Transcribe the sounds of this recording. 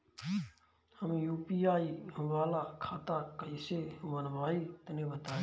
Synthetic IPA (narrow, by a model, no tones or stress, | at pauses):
həmjuːpiaːiʋaːlakʰaːt̪akəisemənbaːit̪nibət̪aːe